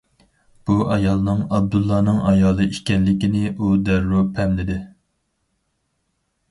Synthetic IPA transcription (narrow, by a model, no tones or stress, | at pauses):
b̥uʔɑjɑlˠnɨŋɑb̚d̪ulˠːɑːnɨŋɑjɑːlˠɨiʃkʲɛnːɪkʲinɪʔud̪æɾːupʰɛmlɪd̪ɪ